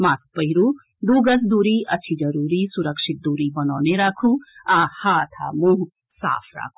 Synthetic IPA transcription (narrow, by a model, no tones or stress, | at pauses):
maːt̪pəɦiɾu | d̪uːɡɐsd̪uːɾiɐt͡ʃʰid͡ʒɐɾuːɾisuɾəkʂit̪̚d̪uɾibɐnaːneɾaːkʰuahaːt̪ʰa̰mũ | sa̰ːpʰɾa̰ːkʰu̥